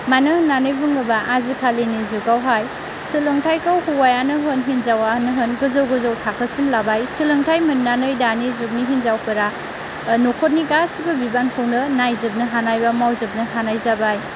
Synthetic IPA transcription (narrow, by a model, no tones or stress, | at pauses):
manɯnanɯjbɯŋɐbaʔazikʰalinizukawɦaj | silɯŋtʰajkawhuwajanɯɦɯnɦinzawanɯɦɯnɡɯzɐwɡɯzawtʰakʰəsinlabajsilɯŋtʰajmɯnːanɯjdanizup̚niɦinzawkʰɯɾa | nokʰot̚niɡasibɐbibankʰɯwnɯnajzɯp̚nɯɦanajbamawzɯp̚nɯɦanajzabaj